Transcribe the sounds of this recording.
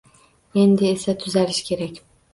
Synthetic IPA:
end̪ɪesɛt̪ʰyzælʲiʃcʲʰe̞ɾɛcʲ

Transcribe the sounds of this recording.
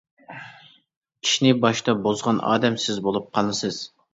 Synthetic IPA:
kʲʰi̥ʃinɪbɑʃt̪ɑbozʁɑnɑ̰ːd̪ɛmsɪzbolˠup̚qʰɑlˠɨsɨz̥

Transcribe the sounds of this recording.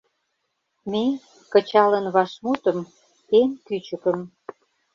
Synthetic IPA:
me | kə̆t͡ɕɑlə̆nβɑʃmut̪ə̆m | enkyt͡ɕə̆kə̆m

